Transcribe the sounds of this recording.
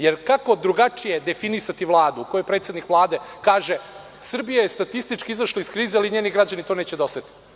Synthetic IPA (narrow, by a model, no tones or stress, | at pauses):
jeɾkako̞d̪ɾuɡat͡ʂijed̪efinisat̪iʋlˠaːd̪ukojepɾet̪se̞d̪nikʋlˠaːd̪ekaːʒe | sr̩bijajest̪at̪ist̪it͡ʃkiizaʃloiskɾiːzealiɲe̞ːniɡɾad͡ʑanit̪o̞ːneːt͡ɕed̪aoset̪i̥